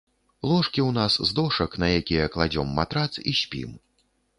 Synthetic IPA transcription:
lˠɔʂkʲiwnaszd̪ɔʂɐknɐjakʲijɐklˠad͡zʲɔmːat̪ɾat̪siɕʲpʲḭm

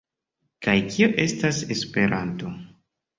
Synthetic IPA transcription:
kajkioʔe̞stase̞spe̞ɾʔanto̞

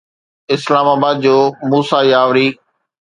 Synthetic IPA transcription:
ɪslaːmaːbaːd̪̚d͡ʑoːmuːsajaːʋɾi

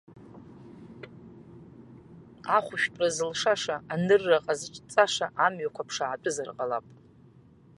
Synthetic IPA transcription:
aχʷʊʃᶣpʼrazɨlʂaʂaanɨrːaqʼazɨt͡ʃʼt͡sʼaʂaʔamɥakʷʰapʰʂaʕatʼɨzarqʼalapʼ

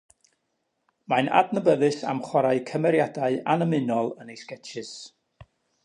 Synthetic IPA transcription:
manʔa̰dnəbəðɨsa̰mχwɔɾaɨkʰəmɛɾjadaɨanəmɪnɔlˠənejskɛtʰɨs

